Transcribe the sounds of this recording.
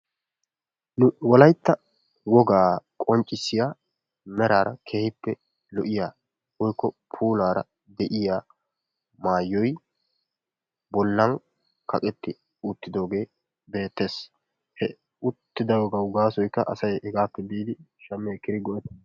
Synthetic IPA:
nʊwɔlɐjt̪ːɐ | wɔɡaːkʼɔnt͡ʃʼːɪsːɪjaː | mɛɾaːɾɐkʰeːhɪpːɛ | lɔʔɪjaː | wɔjkːɔpʰuːlaːɾɐ̰ | d̪ɛʔɪjaː | maːjːɔj | bɔlːɐn | kʰɐkʼɛt̪ːɪ | ʊt̪ːɪd̪o̞ːɡe̞ː | be̞ːt̪ːe̞ːs | hɛ | ʊt̪ːɪd̪ɐwɔɡɐʊɡaːsɔjkːɐʔɐ̰sɐjɛɡaːpːɛbiːd̪ɪʃɐmːeːkɪɾɪɡɔʔɛt̪

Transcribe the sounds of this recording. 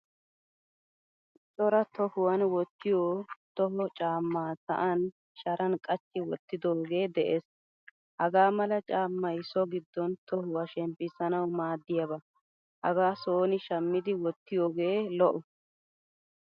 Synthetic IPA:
sʼɔɾɐt̪ɔhʊwɐnwɔt̪ːɪjoːt̪ɔɦɔt͡ʃʼaːmːaːsɐ̰ʔɐn | ʃɐɾʔɐnkʼɐt͡ʃːɪwɔt̪ːɪd̪oːɡe̞ːd̪ɛʔeːs | hɐɡaːmɐlɐt͡ʃʼaːmːɐjsɔɡɪd̪ːɔnt̪ʰɔhʊwɐʃɛmpːɪsɐnɐwmaːd̪ːɪjɐbɐ | hɐ̰ɡaːsoːnɪʃɐmːɪd̪ɪwɔt̪ːɪjoːɡe̞ːlɔʔɔ

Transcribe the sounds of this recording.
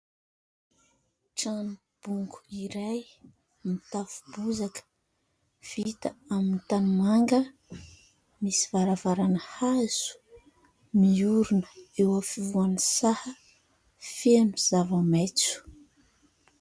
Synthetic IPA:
ʈ͡ʂanu | b̥uŋɡu̥iɾaj | mit̪afu̥buzak | v̥it̪aamint̪anumaŋɡə | misivaɾavaɾanəhaz̥u̥ | miuɾunə̥ewafivuanisahə | feniz̥avamet͡su̥

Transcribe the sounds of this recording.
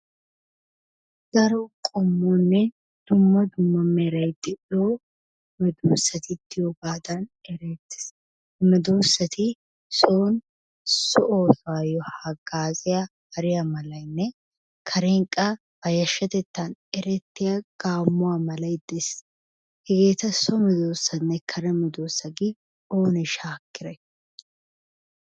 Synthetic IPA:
ɡ̥ɐɾokʼɔmːuːnːɛ | d̪̥ʊmːɐd̪ʊmːɐmːeːɾɐjt̪ːɪᶑoː | mɛd̪uːsɐt̪ɪt̪ːɪjɔbaːd̪anɛɾeːt̪ːɪ̥s | mɛd̪uːsɐt̪ʰi | soːn | sɔʔoːfaːjɔhɐɡaːzɪɐhɐɾɪjɐmɐlɐjnːɛ | kʰɐɾeːŋkʼɐ | bɐjɐʃːɐt̪ɛt̪ːanɛɾɛt̪ːɪjɐɡ̥aːmːʊwaːmɐlɐjd̪ɛs | hɛɡeːt̪ɐsɔmɪd̪oːsːɐnːɛkʰɐɾɛmɪd̪oːsːɐɡɪ | oːnɛʃaːkːɪɾɛ

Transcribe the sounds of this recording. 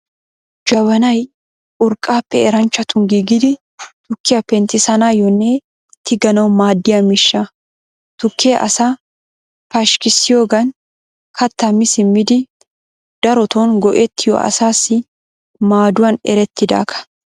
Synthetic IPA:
d͡ʒɐwɐnɐj | ʔʊɾkʼːaːpːɛɛɾɐnt͡ʃːɐt̪ʊnɡiːɡɪd̪ɪ | t̪ʊkːɪjɐpɛnt̪ɪsɐnaːjɔnːɛ | t̪ɪɡɐnɐwmaːd̪ːɪjɐmɪʃːa | t̪ʊkʰːɪjɐʔɐsa | pɐʃkɪsːɪjoːɡɐn | kʰɐt̪ːɐmːɪsɪmːɪd̪ɪ | d̪̥ɐɾɔt̪oːnɡɔʔɛt̪ːɪjɔ̰ʔɐ̰saːsːɪ | maːd̪ʊwɐnɛ̰ɾɛt̪ːɪd̪a̰ːkʰɐ̥

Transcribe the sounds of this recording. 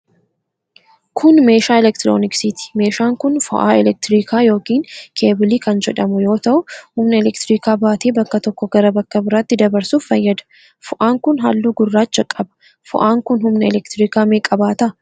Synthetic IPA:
kʰʊnme̞ːʃaːɛlɛkt̪ɾo̰ːnɪksit̪ɪ̥me̞ːʃaːŋkʊnfʊ̰ʔa̰ːɛlɛk̚t̪ɪɾiːkʰaːjo̞ːkiːŋkʰe̞ːbɪliːkɐnd͡ʒɛᶑɐmʊjo̞ːt̪ɐʔʊhʊmnɐɛlɛkt̪ɪɾiːkaːbaːt̪eːbɐkːɐt̪ɔkːɔɡɐɾɐbɐkːɐbɪɾaːt̪ːɪd̪ɐbɐɾsuːffːɐjːɐd̪ɐ̥ | fʊʔaːŋkʊnɦa̰ːlːuːɡʊrːaːt͡ʃt͡ʃd͡ʒɐkʼːɐbɐ̥ | fʊ̰ʔaːŋkʊnhʊmnɐɛlɛkt̪ɾiːkaːmeːkʼɐbaːt̪ɐʔ

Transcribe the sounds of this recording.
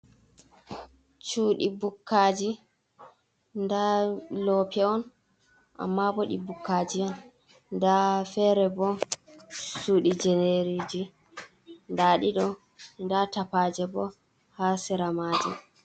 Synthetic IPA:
t͡ʃuːɗibukʰːaːd͡ʒi | ndalɔpʰɛɔn | ʔa̰mːabɔɗḭbukʰːaːd͡ʒiɔn | ndafɛɾɛbɔ | suɗid͡ʒɛneɾid͡ʒi | ndaɗiɗɔ | ndatapad͡ʒɛbɔ | hasiɾamaːd͡ʒi

